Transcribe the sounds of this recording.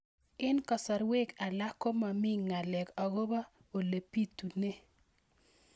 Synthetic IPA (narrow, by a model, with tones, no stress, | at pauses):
ɪ˦nkɔ˨sa˨ɾwe˦ka˨la˦ko˦ma˨mɪ˦ŋːa˨lɛ˨ka˨ɡo˦ba˦ | o˨le˨pi˦tu˨ne˦